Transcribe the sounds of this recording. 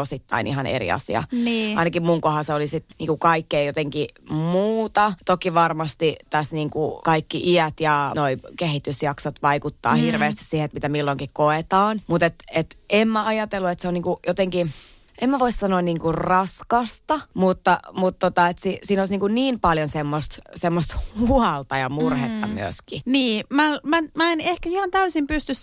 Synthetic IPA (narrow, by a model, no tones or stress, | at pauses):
osit̪ːɑ̰inʔḭɦɑnḛrḭɑ̰sḭɑ̰niːɑinɑkimmuŋkohɑseolisit̪niːŋkukɑikːeijot̪eŋkimuːt̪ɑt̪okiʋɑrmɑst̪it̪æsniːŋkukɑikːiʔiæt̪jɑnoikehit̪ysjɑksot̪ʋɑikut̪ːɑ̰ːhirʋeˑːst̪i̥ssiheet̪mit̪æmilːoŋkikkoet̪ɑːnmut̪et̪et̪emmæɑjɑt̪elːuet̪seoniːŋkujot̪eŋki | ʔemːæʋoissɑnoɑnniːŋkurrɑskɑst̪ɑmut̪ːɑmut̪ːot̪ɑet̪sisiːnoˑisniːŋkunniːmpɑljonsemːost̪semːost̪huɑlt̪ɑjɑmurhet̪ːɑmy̰øskiniːmælmæmæenehkæhihɑnt̪æysimpyst̪ys